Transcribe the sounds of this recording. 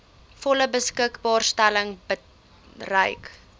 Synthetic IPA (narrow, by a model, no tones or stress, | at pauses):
fɔləbəskəkbɑːrstæləŋbə | rəjk